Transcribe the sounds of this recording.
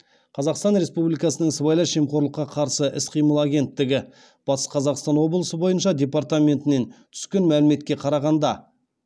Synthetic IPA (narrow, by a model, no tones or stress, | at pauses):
qʰɑzɑqst̪ɑnɾe̞spublijkɑsənəɴsəbɑjlˠɑʃemqʰo̞ɾlˠəqːɑqʰɑɾsəʔɪsqʰijməlˠɑɡʲe̞nt̪ːɪɡʲɪ | b̥ɑsqʰɑzɑqst̪ɑnwo̞blˠəsəbo̞jənʃɑd̪ʲe̞part̪amʲe̞nt̪ɪne̞nt̪ʰʏ̥skʲe̞nmælɪme̞t̪̚kʲe̞qʰɑɾɑʁɑnd̪ɑ